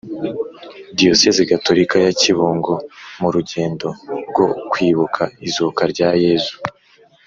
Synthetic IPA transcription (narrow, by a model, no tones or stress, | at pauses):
dijoseziɡato̞ɾikajaciβuːŋɡomuɾuɟe̞ːndo̞ɾɡo̞kwiːβukʰaizukaɾɟaːje̞ːzu̥